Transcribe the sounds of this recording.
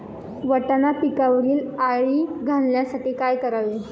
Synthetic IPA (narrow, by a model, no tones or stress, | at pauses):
ʋəʈanapikaʋəɾiːlaɭiːɡʱalnjasaʈiːkajkəɾaʋe